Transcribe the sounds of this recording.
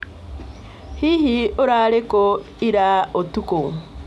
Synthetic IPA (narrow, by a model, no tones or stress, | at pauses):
hihioɾaleko | iɾaotuko